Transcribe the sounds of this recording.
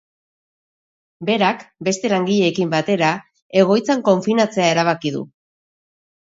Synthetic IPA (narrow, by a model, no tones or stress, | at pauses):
be̞ɾakbe̞st̪e̞laŋɡiʎe̞ːkimbat̪e̞ɾa | e̞ɣ̞o̞jt͡saŋko̞ɱfinat͡se̞ae̞ɾaβ̞akiðṵ